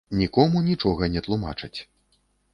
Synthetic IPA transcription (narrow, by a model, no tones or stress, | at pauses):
nʲikɔmunʲit͡ʂɔɣɐnʲɛt̪lˠuma̰t͡ʂɐt͡sʲ